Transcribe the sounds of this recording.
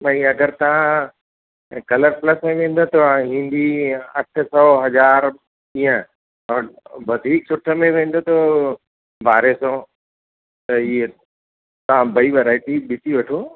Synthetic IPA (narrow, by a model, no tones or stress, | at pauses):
mɐ̃ĩɐɡəɾt̪ɐʋ̤ã | kɐləɾplɐsmẽʋ̤ẽːn̆d̪ot̪ɐ̃ɦĩːnd̪iɐʈʰsɔːɦɐd͡ʑaːɾ | ĩːə̃ | ɔːbɐd̪ʱiːksʊʈʰəmẽʋ̤ẽːn̆d̪ot̪o | bʱaːɾesɔ̃ː | t̪ɐiɦe | t̪ɐʋ̤ãbɐiʋɐɾaːɪʈiɗɪt̪iʋɐʈʰoː